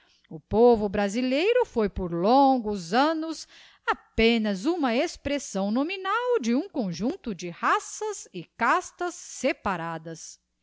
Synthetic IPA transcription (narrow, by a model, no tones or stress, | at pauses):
ʊpovʊbɾazilejɾʊfojpoɾlõŋɡʊzɐ̃nʊs | apẽnɐzũmɐespɾesɐ̃w̃nominawd͡ʒɪũkõʒũnt̪ʊd͡ʒɪhasɐzɪkast̪ɐsːepaɾad̪ɐs